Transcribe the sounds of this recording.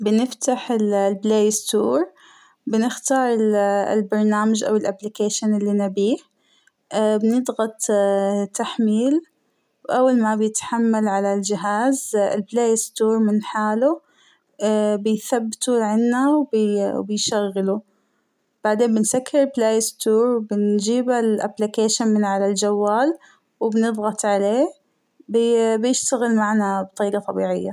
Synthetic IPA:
bɪnɪft̪aħɪllbleːjɪst̪uːɾ | bɪnɪxt̪ɑːɾˤɪ̰lbɑɾˤnaːmad͡ʒʔa̰wɪlʔablɪkeːʃanɪlːinɪbiːħ | bɪnɪd̪ˤɣɑt̪ˤt̪ːaħmiːl | wʔawːalmabjɪt̪ħamːalʕalald͡ʒɪɦaːzɪ̰lbleːjst̪uːɾˤmɪnħaːlu | bɪjθabːɪt̪uʕanːawbbɪjʃaɣːɪlu | b̥aʕd̪eːmbɪnsakːɪɾɪlbleːjɪst̪uːɾwbɪnd͡ʒiːbalʔaplɪkeːʃanmɪnʕalald͡ʒawːaːl | wɪbnɨbɣɑt̪ˤʕaleː | bɪbjɪʃt̪aɣɪlmaʕnabt̪ˤiːɡɑt̪ˤɑbḭːʕɪjːa

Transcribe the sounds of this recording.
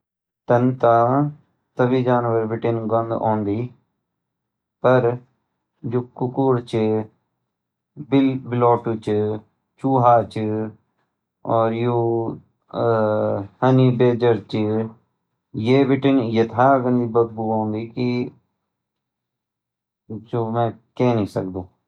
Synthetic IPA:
t̪ənt̪aː | t̪əbiːd͡ʒaːnʋəɾʋɪʈɪnɡɔnd̪õ̰ːnd̪iː | pəɾ | d͡ʒuːkʊkuɾt͡ʃ | bɪlbɪloːʈut͡ʃ | t͡ʃuːɦaːt͡ʃ | ɔːɾjoː | həniːbeːd͡ʒəɾt͡ʃ | jeːʋɪʈɪnjət̪ʰaːɡənd̪ibəd̪̚buːãːnd̪iːki | d͡ʒoːmɛ̃ːkɛ̃ːnĩːsəkd̪õː

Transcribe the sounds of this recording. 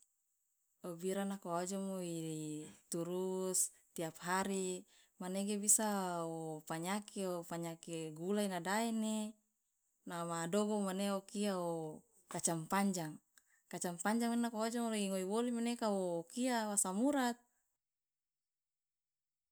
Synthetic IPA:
obiɾanakoad͡ʒɔmoit̪uɾus | t̪iapɦaɾi | maneɡebisaopaɲakiopaɲakeɡulainadaine | namadoɡomaneokiao | kat͡ʃampaɲd͡ʒaŋ | kat͡ʃampaɲd͡ʒaŋinnakoad͡ʒɔmoliŋoiwolimanekaoːkiawasamuɾat̪̚

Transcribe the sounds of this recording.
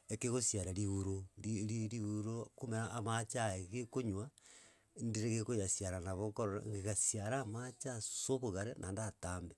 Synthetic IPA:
ekeɣosjaɾaɾiuɾoɾiɾiɾiuɾokumeɾaʔːmat͡ʃaeɣekoɲwa | ndiɾeɣekojasjaɾanaβokoɾoɾa̰ŋɡeɣasjaɾaːmat͡ʃasoβoɣaɾenʔandataːmbe

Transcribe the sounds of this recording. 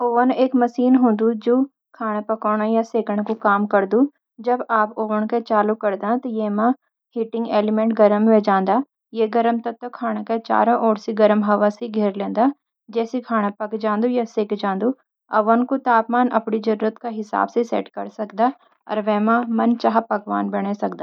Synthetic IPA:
oːʋəneːkməʃiːnɦõːnd̪ud͡ʒoː | kʰaːɽ̃ãpɐkoːɽ̃ajaseːkəɽ̃kukaːmkəɾd̪uː | d͡ʒəbaːpoːʋənket͡ʃaːlukəɾd̪ãːt̪ɐjeːmãː | hɪʈɪ̃ŋɡeːlɪmɛ̃ːɳʈɡəɾəmʋɛ̃ːd͡ʒãːnd̪aː | jeɡɐɾəmt̪ɐt̪ːkʰaːɽ̃akat͡ʃa̰ːɾãʔɔːɽsiɡɐɾəmɦɐʋaseɡʱeːɾlẽːnd̪aː | d͡ʒɛːsikʰaːɽ̃ãpɐkd͡ʒãːnd̪ujaseːkd͡ʒãːnd̪u | ɐʋənkot̪aːpmaːnʔɐpɳid͡ʒɐɾuːɾət̪kaɦɪsa̰ːbsesɛ̰ːʈkɐɾsɐkd̪aː | ɔ̰ːɾʋɛːmãmɐnt͡ʃaɦapɐɡʋa̰ːnbɐɽ̃esɐkd̪aː

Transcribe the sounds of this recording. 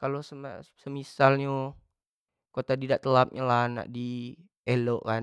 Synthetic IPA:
kalosəasəmisalɲu | kot̪adidaʔt̪əlap̚ɲalana̰ʔdi | eloʔkan

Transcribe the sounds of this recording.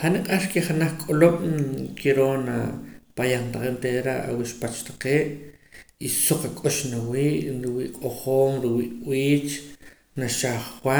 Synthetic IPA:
χaniqʼaʃkeχanaχkʼoloɓ̥kʰiɾoːna̰pajaχnt̪aqeʔnt̪eðɾa̰ʔa̰wiʃpat͡ʃt̪ḁqeːʔ | isuq͡χakʼoʃnawiːʔɾiwiːʔqʼoχoːmɾiwiːʔwiːt͡ʃ | naʃaχːwa

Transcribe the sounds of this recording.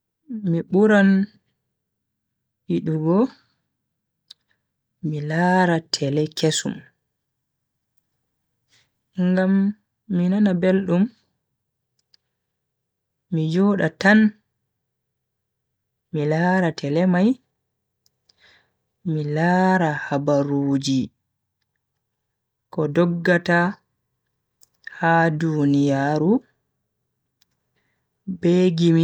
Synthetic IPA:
miɓuɾan | hiɗuɡɔ | milaːɾatʰɛlɛkʰesṵm | ŋɡamː | inanabelɗum | mid͡ʒɔːɗatan | milaːɾatʰɛlɛmaj | milaːɾahabaɾuːd͡ʒi | kɔdɔɡːata | hadunijaːɾu | beɡimi

